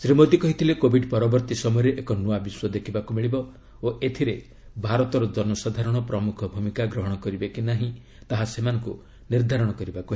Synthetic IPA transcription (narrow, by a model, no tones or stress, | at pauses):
sɾimod̪ikɔɦit̪ʰilekobʱiɖpɔɾɔbɔɾt̪isɔmɔjɔɾeʔekɔnuabiswɔd̪ekʰibakumiɭibɔ | oet̪ʰiɾe | bʱaɾɔt̪ɔɾɔd̪ɔnɔsad̪ʱaɾɔɽ̃ɔpɾɔmukʰɔbʱumikaɡɾɔɦɔɽ̃ɔkɔɾibekinaɦĩ | t̪aɦasemanɔŋku | niɾd̪ʱaɾɔɽ̃ɔkɔɾibakuɦe